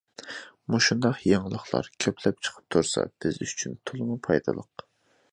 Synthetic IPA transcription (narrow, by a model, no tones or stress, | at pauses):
muʃund̪ɑqjɑŋlˠəχlˠɑ̰ɾkʲʰøpʰlɛp̚t͡ʃʰə̥qʰə̥p̚t̪ʰuɾsɑ̰b̥ɪzyt͡ʃʰynt̪ʰulˠmupʰɑjd̪ɨ̰lˠəq